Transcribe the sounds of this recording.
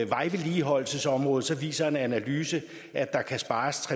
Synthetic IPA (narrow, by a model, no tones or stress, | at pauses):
ʋɑ̈ɪʋe̝liɦɒ̽l̰l̩səsɒ̽mʁɔ̽ːð̞ˠsɒ̽ʋḭːsɐe̝nænælyːsə | ʔæd̥ɑ̈kʰæsb̥ɑ̈ːst͡sʰʁɛ